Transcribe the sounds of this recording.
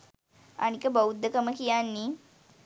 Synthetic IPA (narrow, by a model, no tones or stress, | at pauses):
a̰nikəbəwud̪ːəkəməkijanːi